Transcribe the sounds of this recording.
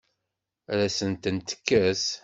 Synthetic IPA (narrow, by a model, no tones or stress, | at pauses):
ɾæsənt̪ənt̪ə̥kːæs